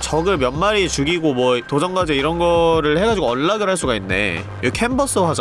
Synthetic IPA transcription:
t͡ɕʌɡɯɭmjʌnmaɾit͡ɕuɡiɡomwʌtod͡ʑʌŋɡad͡ʑeiɾʌnɡʌɾɯɭhe̞ɡad͡ʑiɡoʌnːaɡɯɭɦaɭs͈uɡainːe̞̰ | ɯkʰembʌs͈ɯɦasʰ

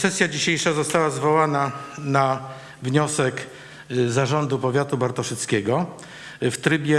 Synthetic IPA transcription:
sɛsʲjad͡ʑiɕejʂazɔst̪awazvɔwanana | vɲɔsɛk | zaʐɔnd̪upɔvʲjat̪ubaɾt̪ɔʂɘt̪skʲɛɡɔ | ft̪ɾɘbʲjɛ

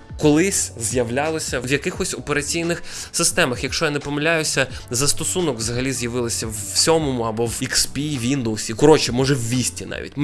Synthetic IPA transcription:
kɔlˠɪsʲzjɐʋlʲalˠɔsʲɐʋjɐkɪxɔsʲɔpeɾɐt͡sʲijnɪx | sɪst̪ɛmɐxjɐkʃt͡ʃɔjanɛpɔmɪlʲajʊsʲɐ | zɐst̪ɔsunɔkʋzɐɦɐlʲizjɐʋɪlˠɪsʲɐw | sʲɔmɔmʊɐbɔwikspʲiʋʲind̪owsʲikɔɾɔt͡ʃɪmɔʒɛwːʲisʲtʲinɑ̰ʋʲḭtʲ

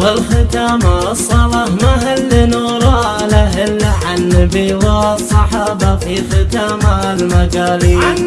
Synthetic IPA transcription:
wɪlxɪt̪aːma | sˤːɑlˤɑːhmaɦalːinuɾˤɑ | laɦɪlːaʕanːabiwɑsˤːɑħɑːbafixɪt̪aːma | lmaɡaːlia

